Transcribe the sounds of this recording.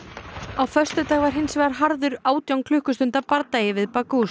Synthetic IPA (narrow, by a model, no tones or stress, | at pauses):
awfœ̥st̪ʏt̪aːɣvaɾ̥ɦɪnsvɛːɣaɾ̥ɦaɾðʏɾaːwt̪jawŋkʰlʏhkʏst̪ʏnt̪apaɾt̪ajɪvɪðpakus